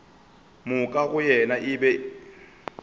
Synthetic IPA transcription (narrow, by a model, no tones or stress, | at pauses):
mʊkʼaɣʊjɛnaʔɪbɛ